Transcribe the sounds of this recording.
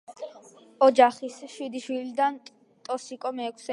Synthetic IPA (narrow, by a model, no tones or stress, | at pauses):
ɔd͡ʒaχisʃwid̪iʃwilid̪an | t̪ʼɔsikʼɔmɛːkʷʰsɛ